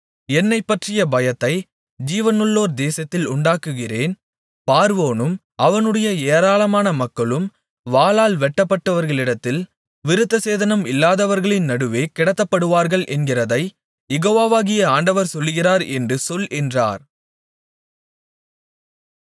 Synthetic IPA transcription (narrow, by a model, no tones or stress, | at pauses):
ɛnːɐɪpːɐʈrɪjɐbɐjɐt̪ːɐɪ | d͡ʒiːʋɐnɯɭːoːɾd̪eːsɐt̪ːɪlʊɳɖaːkɯɣɪreːn | paːɾʋoːnɯm | ʔɐʋɐnɯɽɐjɐeːɾaːlɐmaːnɐmɐkːɐɭɯm | ʋaːlaːlʋɛʈːɐpːɐʈːɐʋɐɾɣɐɭɪɽɐt̪ːɪl | ʋɪɾɯt̪ːɐseːðɐnɐmɪlːaːðɐʋɐɾɣɐɭɪnnɐɽɯʋeːkɪɽɐt̪ːɐpːɐɽɯʋaːɾɣɐɭʔɛnɡɪrɐðɐɪ | jɛɣoːʋaːʋaːɣɪjɐaːɳɖɐʋɐɾsɔlːɯɣɪraːɾɛndrɯsɔlɛndra̰ːɾ